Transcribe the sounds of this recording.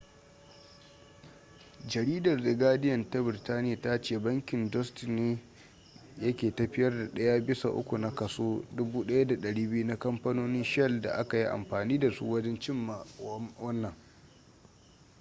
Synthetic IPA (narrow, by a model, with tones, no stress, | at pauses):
d͡ʒɐ˨ɾiː˦dɐ˨rda˨ɡaː˦dɪ˦jɐ˨nta˦bɪ˨ɾtaː˦nɪ˦ja˨ta˦t͡ʃeː˦˨bɐ˦ŋkʲɪ˨ndɔ˦stneː˦ | jɐ˦kʲeː˨tɐ˦ɸɪ˦jɐ˦rda˨ɗɐ˦ja˦bɪ˦sa̰˨ʔʊ̰˦kʷu˨na˦kɐ˨soː˦dʊ˦buː˦ɗɐ˦ja˦da˨ɗɐ˨ɽiː˦bɪ˦ju˦na˦kɐ˦mpɐ˦noː˦nɪ˦nʃɛ˦˨lda̰˨ʔa˦ka˨ji˦ʔa̰˨mɸaː˨niː˦da˨sṵ˦wɐ˦d͡ʒɛ˦nt͡ʃɪ˦mːa˨wɐ˦nːɐ˨ŋ